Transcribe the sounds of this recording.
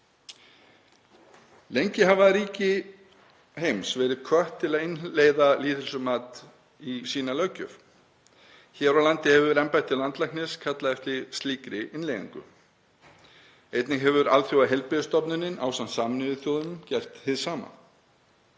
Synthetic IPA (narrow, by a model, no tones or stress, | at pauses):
lejɲcɪɦavaɾiːcɪ | hejmsvɛːɾɪkʰvœht̪ʰːɪlaðɪnleːjðaliːðɪlsʏmaːt̪ | isiːnalœɥcʏf | çɛːɾawlant̪ɪhɛvʏɾɛmpajt̪ʰɪlant̪laknɪskʰat̪laɛft̪lɪst̪liːkɾɪʔɪnlejðɪ̰ŋkʏ̰ | ejt̪nɪɦɛvʏɾaðθjowaɦɛlpɪðʏst̪ɔpnʏnːɪna̰ːwsansaːmnɪðʏθjowðʏcɛr̥t̪hɪðsaːma̰